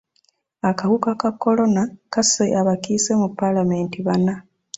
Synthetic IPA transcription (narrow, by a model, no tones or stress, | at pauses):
akahukakakːo̞lo̞nakaseʔaβakise̞mupːalame̞ːntiβana